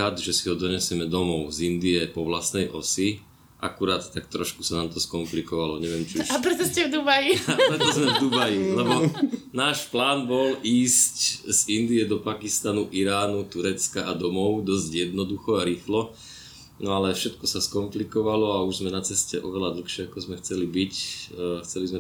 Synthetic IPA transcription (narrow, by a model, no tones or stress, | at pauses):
ad̪ʒɛsiɦɔd̪ɔɲɛsɪɛmɛd̪ɔmɔʊzind̪iɛpɔʋlasnɛjʔɔsi | ʔa̰kuɾaːt̪ːakt̪ɾɔʃku̥sanamt̪ɔskɔmplikɔʋalɔɲɛʋɛmt͡ʃiuʃapɾɛt̪ɔscɛvd̪ubajiɾɛt̪ɔzmɛvd̪ubajilɛbɔnaːʃplaːnbɔliːsczind̪iɛd̪ɔpakist̪anuʔiɾaːnut̪uɾɛt͡skaʔad̪ɔmɔʊd̪ɔzɟjɛd̪̚nɔd̪uxɔaɾiːxlɔ | nɔalɛfʃɛt̪kɔsaskɔmplikɔʋalɔauʒzmɛnat͡sɛscɛʔɔʋɛlad̪l̩xʃɪɛakɔzmɛxt͡sɛlibicxt͡sɛlizmɛ